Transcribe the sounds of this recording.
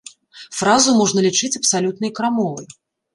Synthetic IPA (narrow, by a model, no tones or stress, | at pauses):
fɾazumɔʐnɐlʲit͡ʂɨt͡sʲɐpsalʲut̪̚nɐjkɾamɔvɨj